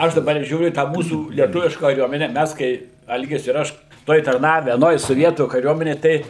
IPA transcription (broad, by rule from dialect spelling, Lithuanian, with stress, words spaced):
ˈɐʃ dɐˈbɐr ˈʒʲuːrʲʊ iː ˈtɑː ˈmuːsuː lʲiɛˈtʊʋʲɪʃkɐ kɐˈrʲuɔmʲɛnʲɛ ˈmʲæs kɐɪ ˈɐlʲɡʲɪs ɪr ˈɐʃ ˈtoːj tɐrˈnɑːʋʲɛ ɐˈnoːj soːˈʋʲiɛtuː kɐˈrʲuɔmʲɛnʲeːj ˈtɐɪ